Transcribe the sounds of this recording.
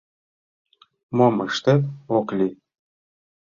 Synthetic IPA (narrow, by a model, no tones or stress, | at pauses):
moməʃt̪et̪oklʲi